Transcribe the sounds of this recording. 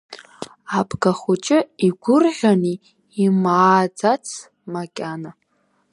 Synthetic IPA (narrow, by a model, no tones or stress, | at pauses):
abʰɡaχut͡ʃʼɪiɡʷʊrʕʷᶣaniː | maːd͡zat͡sʰ | makʲʼana